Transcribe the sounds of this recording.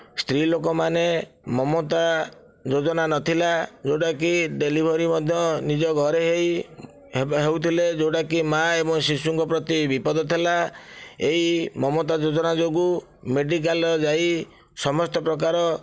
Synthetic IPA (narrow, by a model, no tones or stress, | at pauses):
st̪ɾilokɔmane | mɔmot̪a | d͡ʒod͡ʒɔnanɔt̪ʰilad͡ʒowɽakiɖelibʱɔɾimɔd̪ʱjɔnid͡ʒɔɡʱɔɾeɦej | ɦewt̪ʰiled͡ʒowɽakimaebɔŋsisuŋkɔpɾɔt̪ibipɔd̪ɔt̪ʰelaeimɔmot̪ad͡ʒod͡ʒɔnad͡ʒoɡu | meɖik̬alɔd͡ʒai | sɔmɔst̪ɔpɾɔk̬aɾɔ